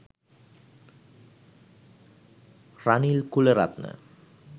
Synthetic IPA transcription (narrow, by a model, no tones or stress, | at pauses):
ranilkuləɾa̰t̪nə̰